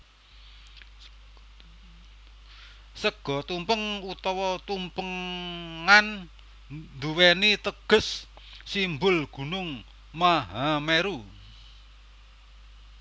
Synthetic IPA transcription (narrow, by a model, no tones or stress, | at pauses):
səɡ̥ɔ̤t̪umpəŋut̪ɔwɔt̪umpəŋ | an | nd̪uwenit̪əɡ̥ə̤sː | imbʊlɡ̥ṳnʊŋ | maɦameɾu